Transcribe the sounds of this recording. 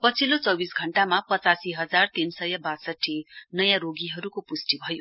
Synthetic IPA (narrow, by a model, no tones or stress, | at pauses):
pʌt͡sʰilot͡sʌbisɡʱʌɳʈamapʌt͡sasiɦʌd͡zart̪insʌjʌbasʌʈʰːinʌjãɾoɡiɦʌɾukopusʈibʱʌjo